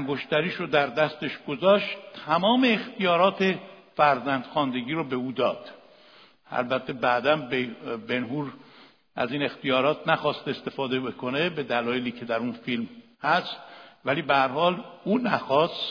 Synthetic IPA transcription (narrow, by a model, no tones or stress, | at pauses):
æŋɡo̞ʃt̪æɾiːʃod̪æɾd̪æst̪e̞ʃɡozɒːʃt̪t̪ʰæmɒːme̞ːxt̪ijɒːɾɒːt̪ʰe̞fæɾzænd̪̥xɒːnd̪e̞ɡiːɾɔbe̞uːd̪ɒːd̪̥ | æ̰lbæt̪ʰːe̞bæːd̪ænbebe̞nɦuːɾ | æ̰ziːne̞xt̪ijɒːɾɒːt̪ʰnæxɒːst̪est̪e̞fɒːd̪e̞bekʰo̞ne̞be̞d̪ælɒːjeliːcʰe̞d̪æɾunfilmhæst̪̚væliːbehæɾhɒːluːnæxɒːst